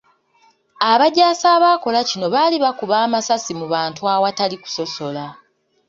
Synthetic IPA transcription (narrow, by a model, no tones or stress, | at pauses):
aβaɟaːsaːβako̞lacino̞βaːliβakuβaːmasasimuβaːntuawataliku̥so̞so̞la